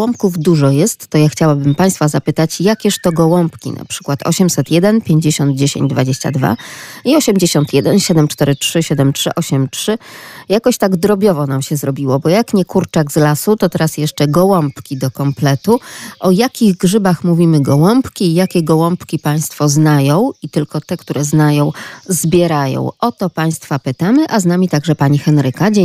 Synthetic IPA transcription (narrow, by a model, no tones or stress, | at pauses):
ɔmpkuvd̪uʐɔjɛst̪ːɔjaxt͡ɕawabɘmpaj̃st̪fazapɘt̪at͡ɕjakʲɛʂt̪ɔɡɔwɔmpkʲḭna̰pʂɘ̥kwat̪ʰɔ̰ɕɛmsɛt̪jɛd̪ɛnpʲjeɲd͡ʑeɕɔnd̪̚d͡ʑeɕḛɲd͡ʑd̪vad͡ʑeɕt͡ɕa̰d̪va̰iɔɕɛmd͡ʑeɕɔnt̪jɛd̪ɛnɕɛd̪ɛmt͡ʂt̪ɛɾɘtʂɘɕɛd̪ɛmtʂɘ̰ʔɔɕɛmtʂɘjakɔɕt̪aɡd̪ɾɔbʲjɔvɔnamɕɛzɾɔbʲiwɔbɔjakɲɛkuɾt͡ʂaɡzlasut̪ɔt̪ɛɾasjɛʂt͡ʂɛɡɔwɔmpkʲid̪ɔkɔmplɛt̪uʔɔjakʲiɣɡʐɘbaxmuvʲimɘɡɔwɔmpkʲiːjakʲɛɡɔwɔmpkʲipaj̃st̪fɔznajɔ̃w̃it̪ɘlkɔt̪ɛkt̪uɾɛznajɔ̃w̃zbʲjɛɾajɔ̰̃w̃ɔt̪ɔpaj̃st̪fapɘt̪amɘʔaznamʲit̪aɡʐɛpaɲixɛnɾɘkad͡ʑe